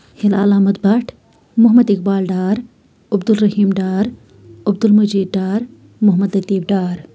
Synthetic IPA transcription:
hɪla̰ːlaːmɐt̪̚bɐʈʰ | mʊɦmɐd̪ɪk̚baːlɖaːɾ | ɐbd̪ulɾɐɦiːmɖaːɾ | ɐbd̪ulmɐd͡ʒiːd̪̚ɖaːɾ | mʊɦmɐd̪lɐt̪iːbɖaːɾ

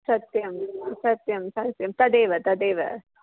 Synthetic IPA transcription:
sɐt̪jɐmsɐt̪jɐmsɐt̪jɐmt̪ɐd̪eːʋɐt̪ɐd̪eːʋɐ̰

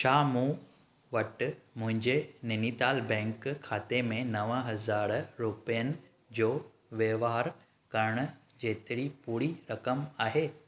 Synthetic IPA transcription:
ʃʰaːmũː | ʋɐʈmʊ̃ɦɪ̃ɲd͡ʑenɪnit̪aːlbɛ̃ːŋkkʰːaːt̪emẽnɐʋə̃ɦɐzaːɾɾuːpijənɪ̆ | d͡ʑoː | ʋjəʋaaɾ | kɐɾɽ̃ʊ | d͡ʑeːt̪ɪɽipuːɾiɾɐkəmaːɦeː

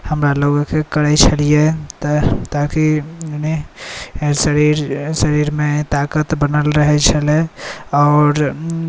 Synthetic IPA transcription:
həmɾaloɡokekəɽəjt͡ʃʰəlijet̪t̪akini | səɾiɾsəɾiɾmet̪akət̪bənəlɾəɦɛt͡ʃʰəlɛɔːɾ

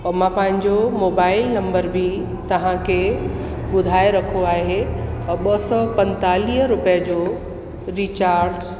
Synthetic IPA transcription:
ɔmãpɐ̃ɦɪ̃ɲd͡ʑomoːbaːɪlnɐ̃mbəɾbʱi | t̪ɐʋ̤ãkʰeː | ɓʊd̪ʱaːeɾɐkʰoaːɦeɓɐsɔːpɐ̃nt̪aːliːɦəɾʊpijəd͡ʑoː | ɾiːt͡ɕaːɾɖ

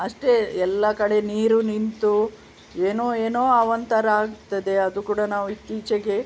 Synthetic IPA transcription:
ɐʂʈe̞ɛlːɐkɐɽe̞niːɾunint̪u | eːnoːeːnoːɐʋɐnt̪ɐɾɐaːɡt̪ɐd̪e̞ɐd̪ukuːɽɐnaːʋuit̪iːt͡ʃɛɡe

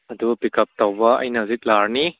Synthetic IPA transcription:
ɐdubɐpikɐp̚t̪awbɐɐ̰jnɐzit̪̚laɾni

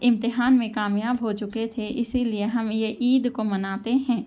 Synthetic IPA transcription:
ɪ̃mt̪ɪɦaːnmẽkaːmjaːbɦot͡ʃʊket̪ʰeʔɪsilieɦɐmjeʔiːd̪komɐnaːt̪eɦɛ̃ː

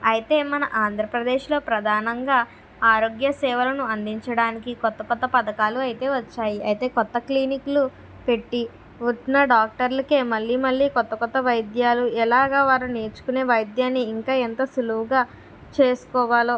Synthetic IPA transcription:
ɐjit̪e̞ːmɐnɐʔaːnd̪ʱɾɐpɾɐd̪eːʃlo̞ːpɾɐd̪ʱaːnɐŋɡaː | aːɾo̞ːɡjɐsɛːʋɐlɐnuɐnd̪iɲt͡ʃɐɽaːnikikɔt̪ːɐkɔt̪ːɐpɐd̪ɐkaːluɐjt̪e̞ːʋɐt͡ʃːaːjiɐjt̪e̞ːkɔt̪ːɐkliːniklu | pe̞ʈːi | ʋuʈːnɐɖaːk̚ʈɐɾlɐkeːmɐlːiːmɐɭːiːkɔt̪ːɐkɔt̪ːɐʋɐjd̪jaːluɛlaːɡaːʋaːɾuneːt͡ʃu̥kune̞ːʋɐjd̪jaːnːiːŋkaːent̪ɐsuluwuɡaː | t͡ʃe̞ːsu̥kɔːʋaːlo̞ː

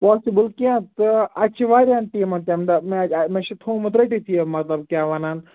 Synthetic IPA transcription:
pɔːsibəlkẽt̪ɐt͡ʃʰiʋaːɾjãːnʈiːmɐnt̪ɐmd̪ɐmemeʃit̪ʰõːmɐt̪ɾɐʈit̪ʰijemɐt̪lɐb̚kʲjaːʋanaːn

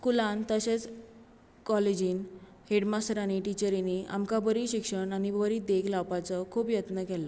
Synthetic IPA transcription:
kulant̪əɕet͡s | kɔled͡ʑiːn | heɽmasʈɾaniʈit͡ɕəɾiniʔa̰mkabəɾiɕikʂəɳañibəɾid̪eɡlawpat͡sɔkʰuːpjət̪nəkɛlə

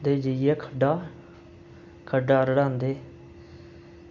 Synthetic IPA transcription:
d̪eːd͡ʒəijɛːkʰəɖaː | kʰəɖaːɾəɽãːnd̪eː

